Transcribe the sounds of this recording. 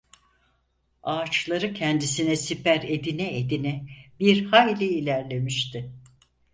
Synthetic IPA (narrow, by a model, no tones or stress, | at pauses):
aːt͡ʃlˠaɾɯcʰɛnd̪isinɛsipʰæɾe̞d̪inɛed̪inɛbiɾhajlʲɛilʲæɾlʲe̞miʃt̪ʰɪ